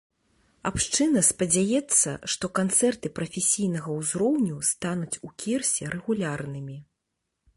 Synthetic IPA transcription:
a̰pʂt͡ʂɨnɐspɐd͡zʲajɛt̪sːɐ̰ʂt̪ɔkant̪sɛrt̪ɨpɾɐfʲesʲijn̪ɐɣɐwzɾɔwnʲust̪anut͡sʲukʲirsʲɛɾʔɛɣulʲarnɨmʲi

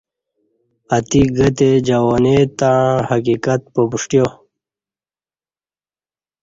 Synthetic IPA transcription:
at̪iɡət̪ed͡ʑawonet̪ãhakikat̪̚pobuʂʈjo

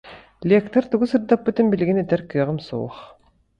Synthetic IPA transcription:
lʲekt̪ɐɾt̪uɣusɯɾd̪apːɯt̪inbiliɡinɛt̪ɛɾkɯɐʁɯmsṵːχ

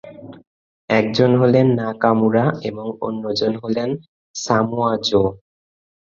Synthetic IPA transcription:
ɛk̚d͡ʑonɦolenːakamuɾaeboŋo̰nːod͡ʑonɦolen | samuad͡ʑo

